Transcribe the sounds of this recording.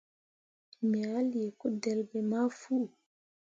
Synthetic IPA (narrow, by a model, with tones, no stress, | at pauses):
mɛ˨a˦lje˨kɔ˦dɛ˨lbɛ˨ma˦fu˦˨